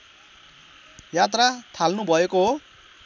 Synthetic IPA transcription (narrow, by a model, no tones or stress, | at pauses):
jat̪rat̪ʰalnubʱʌekoɦo